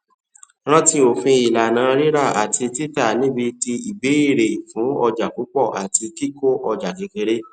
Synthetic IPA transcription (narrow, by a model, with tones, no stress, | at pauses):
ɾ̃ã˦ti˧o˨fĩ˧i˨la˨nã˨˦˧ɾi˦ɾa˦˨a˨tʰi˧ti˦ta˦˨nĩ˨˦bi˧ti˧i˨be˨˦i˦˨ɾe˨i˨fũ˨˦ɔ˧d͡ʒa˨ku˨˦k͡pɔ˦˨ʔa˨ti˧ki˦ko˦ʔɔ˧d͡ʒa˨ɡe˨˦ke˧ɾe˦